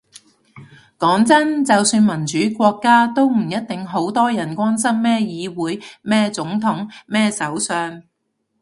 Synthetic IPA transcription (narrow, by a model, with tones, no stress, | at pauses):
kɔː˨˥ŋt͡sɐ˥nt͡sɐ˨wsyː˧nmɐ˨˩nt͡ʃyː˨˥kʷɔː˧kːaː˥t̪o˥wm̩˨˩jɐ˥t̚t̪ɪ˨ŋɦo˨˥wt̪ɔː˥jɐ˨˩nkʷaː˥ns̬ɐ˥mːɛː˥jiː˨˧wuː˨˥jmɛː˥t͡sʊ˨˥ŋt̪ʰʊ˨˥ŋmɛː˥sɐ˨˥wsœː˧ŋ